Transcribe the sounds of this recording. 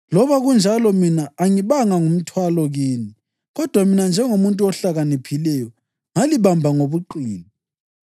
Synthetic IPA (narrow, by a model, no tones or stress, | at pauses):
lɔβaɣund͡ʒʱalɔminaːŋiβaŋaŋum̩tʰwalɔɣeːni | ɣɔd̥ʱwaminand͡ʒʱɛŋomuntʼuɔɬaɣanipʰilɛjɔ | ŋaliβambʱaŋoβuǃiːni